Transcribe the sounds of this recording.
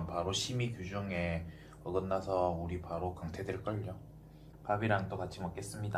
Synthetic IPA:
npaɾoɕʰimikjud͡ʑuŋe̞ | ʌɡʌnːasʰʌuɾipaɾokaŋtʰedweɭk͈ʌʎːo | pabiɾaŋt͈okat͡ɕʰimʌk͈e̞s͈ɯmɲida

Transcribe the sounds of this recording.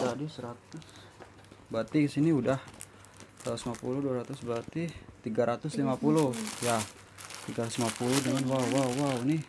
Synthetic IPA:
t̪adisəɾat̪ʊs | bat̪iɡəsiniudah | ausmapulʊduaɾat̪ʊsbat̪it̪iɡaɾat̪ʊslimapulʊja | t̪iɡaɾat̪ʊ̥slimapulʊhdəŋanwawːaːawni

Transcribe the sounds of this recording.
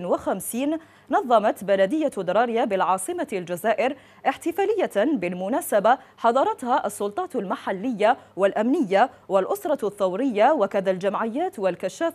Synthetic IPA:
nwaxamsiːn | nɑðˤːɑmat̪balad̪ɪjːad̪ɑɾˤɑːɾjabɪlʕɑːsˤɨmald͡ʒazaːʔɪɾ | ʔɪħt̪ɪfaːlɪjːabɪlmʊnaːsabaħɑd̪ˤɑɾˤɑt̪haʔɑsˤːʊlt̪ˤɑːt̪almaħalːɪjːawalʔamnɪjːawalʔʊsɾˤɑθːawɾɪjːawakaðald͡ʒamʕɪjːaːt̪walkaʃːaːf

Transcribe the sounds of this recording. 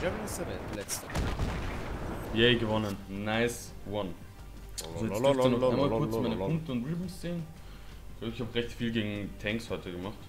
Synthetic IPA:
ɛɹəsɛvɛlɛtə | jɛɪɡəvɔnənːaɪs | wan | zoɛt͡sɛnnmaːkʊɐt͡smaɪnəkʊŋk̚təʊntʁɪbm̩st͡seːnə | ɡ̥laɪçhaːbəʁɛçtfiːlɡeːɡŋ̩tʰɛŋkshɔʏtəɡəmaχt

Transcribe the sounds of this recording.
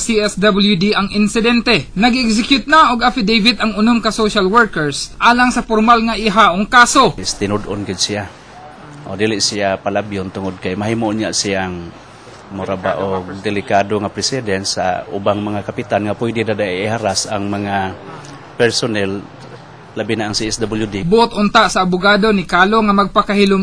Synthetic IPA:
siɛsd̪abɪljud̪iʔɐŋɪnsɪd̪ɛnt̪ɛnɐɡɛksɪkjʊt̪̚naoɡafid̪ejvɪd̪ɐŋʊnoŋkasoʃalwɛɹkɛɹsʔaːlaŋsɐfoɾmalŋaʔɪɦaʔoŋkaːsost̪ɪnʊd̪onɡɪd̪̚sia | ʔod̪ilɪʔsiapalabjʊnt̪ʊŋod̪̚kajmaɦimoʔʊɲjaʔsiaŋ | mʊɾabaʔoɡ̚d̪ɛlɪkad̪oŋapɾɛsɛd̪ɛnsa̰ʊbaŋmaŋakapɪt̪anŋapujd̪ɪd̪ad̪aʔihaɾasa̰ŋmaŋa | pɛɾsonɛl | labinaʔaŋsiɛsd̪abɪljʊd̪ibʊʔʊt̪ʔʊnt̪aʔsaːbʊɡaːd̪onɪkaːloŋamɐɡ̚pakahɪlʊŋ

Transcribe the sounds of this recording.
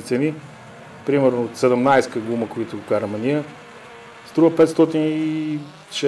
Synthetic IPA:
it̪sɛni | pɾimɛɾnoːt̪sɛd̪ɛmnajskəɡˠuməkoit̪ʊɡʊkaɾəmɛniə | st̪ɾuvəpɛt̪st̪ɔt̪ini | ʃɛ

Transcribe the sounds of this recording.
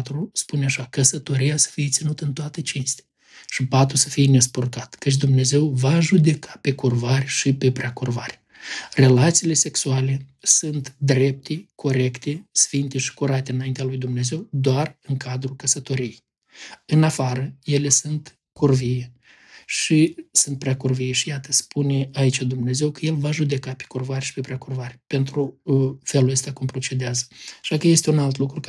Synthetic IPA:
t̪ɾuspuneaʃakəsət̪o̞ɾijasə̥fijet̪sinut̪ɨnt̪oat̪et͡ʃinst̪eḁ | ʃipat̪ɾusəfijene̞s̬port̪at̪kət͡ʃ̬ʲd̪umne̞ze̞wvaʒud̪e̞kʰḁpe̞kurvarʲʃipe̞pɾeakurvarʲ | re̞lat̪siːle̞se̞ksuale̞sunt̪d̪ɾe̞p̚t̪ʰe̞kʰo̞ɾe̞kt̪e̞sfint̪e̞ʃi̥kuɾat̪eɨnajint̪ealujd̪umne̞ze̞wd̪oarɨŋkʰad̪ɾukəsət̪o̞ɾij | ɨnafaɾəje̞le̞sunt̪ | kʰurvije | ʃisunt̪̚pɾeakurvijeʃijat̪ə̥spʰuneait͡ʃʲad̪umne̞ze̞wkəje̞lvaʒud̪e̞kape̥kurvaɾʲʃi̥pepɾʲeakurvaɾʲpe̞nt̪ɾufe̞luləst̪akumpɾo̞t͡ʃe̞d̪eazə̥aʃakəje̞st̪eunalt̪lukɾu

